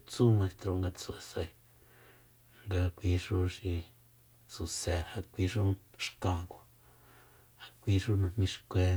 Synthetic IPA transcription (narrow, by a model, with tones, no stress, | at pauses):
t͡su˦mã˧st̪ɾo˧ŋɡa˧t͡su˧e˧sa˧i˧ | ŋɡa˧kʷi˧˦ʂu˦ʃi˧ | su˧se˧˨ha˧kʷi˧ʂu˦ʂkã˧˨ko˧ | ha˧kʷi˧˦ʂu˦nã˧mĩ˦ʂkʷe˧